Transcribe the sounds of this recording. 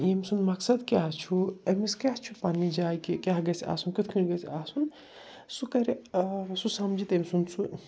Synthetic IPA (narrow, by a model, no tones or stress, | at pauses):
emsunmɐksɐd̪kʲjaɦt͡ʃʰuɐmiskʲaɦt͡ʃʰupanid͡ʒaːjkikʲaɦɡɐsʲa̰ːsunkit̪ʰkʰiɳɡɐsaːsun | sukɐɾisusɐmd͡ʒit̪emsunsu